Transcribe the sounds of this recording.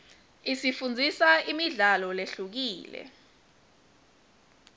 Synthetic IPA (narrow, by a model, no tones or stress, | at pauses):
isifund͡zʱisaimiɮalɔleɬuk̬iːlɛ̰